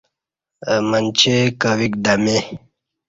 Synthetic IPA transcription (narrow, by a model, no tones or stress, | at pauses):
mənt͡ɕekəwikd̪ame